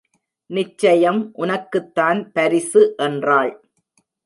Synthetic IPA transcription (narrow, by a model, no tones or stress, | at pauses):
nɪt͡ʃːɐjɐmʔʊnɐkːɯt̪ːaːnpɐɾɪsɯʔɛndraːɭ